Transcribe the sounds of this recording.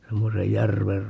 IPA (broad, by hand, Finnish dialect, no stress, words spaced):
semːosej jærʋer